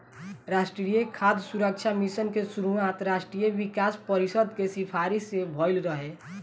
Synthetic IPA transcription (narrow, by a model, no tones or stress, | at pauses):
ɾasʈɾijekʰad̪ʱsuɾək̚t͡ʃʰamisənkesuɾuãt̪ɾasʈɾijeʋikaspəɾisəd̪kesipʰaɾisebʱɔjlɾəɦe